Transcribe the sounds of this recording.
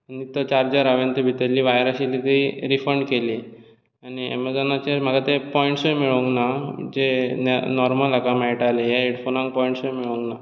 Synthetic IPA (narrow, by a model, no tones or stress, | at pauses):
anit̪ət͡ɕaɾd͡ʑəɾaʋent̪ebʱit̪əɾlːiːʋajɾaɕilit̪eiɾifəɳɖkeli | aniɛ̰mad͡zɔnat͡ɕem̤akat̪epɔĩɳʈsõjmiɭoŋɡnad͡ʑenɔɾməlakamaiʈalejaeɽfʰonãŋk̚pɔĩɳʈsojmiɭõŋɡna